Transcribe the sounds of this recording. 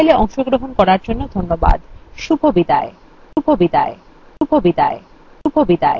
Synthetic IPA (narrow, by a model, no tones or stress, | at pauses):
jleɔŋʃoɡɾoɦonkɔɾaɾd͡ʑonːod̪ʱonːoba̰d̪ʃubʱobid̪ae | ʃubʱobid̪ae | ʃubʱobid̪ae | ʃubʱobid̪ae